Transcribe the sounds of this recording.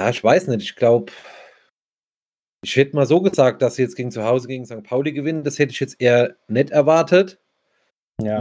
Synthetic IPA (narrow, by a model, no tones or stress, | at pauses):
ja̰ːɪçv̥aɪsnɛtɪçɡ̥laʊp | ʔɪʃhɛtəmaːlzoːɡəzaːk̚t̚d̥asz̥iːjɛt͡sɡ̥eːɡŋ̩t͡suhaʊzəɡeːɡŋ̩zaŋ̚t̚pʰaʊliɡəvɪnənd̥ashɛtəɪçjɛt͡stʔeːɐnɛtɛɐvaɐtʰət